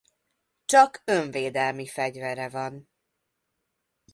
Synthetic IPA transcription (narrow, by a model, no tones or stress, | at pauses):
t͡ʃɒkøɱveːd̪ɛlmifɛɟvɛɾɛvɒn